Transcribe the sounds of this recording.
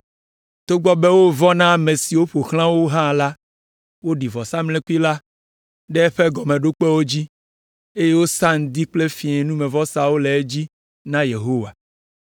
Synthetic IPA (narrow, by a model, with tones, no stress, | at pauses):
t̪o˦ɡ͡bɔ˦be˦wo˦vɔ˦nã˦˨mẽ˨si˨wo˦ɸo˨xl̃ã˦wo˦ɦã˦˨la˦ | wo˦ɖi˨vɔ˨sa˦mlɛ̃˦ku˦i˦la˦ | ɖɛ˦ɛ˦ɸɛ˦ɡɔ˨mẽ˨ɖo˦k͡pe˦wo˦d͡ʑi˦ | e˦je˦wo˦sa˦ŋ̩˨d̪i˦k͡ple˦fĩ˨ɛ̃˨nũ˦mẽ˨vɔ˦sa˨wo˦le˨e˦d͡ʑi˦ | nã˦je˨ɦo˦wa˨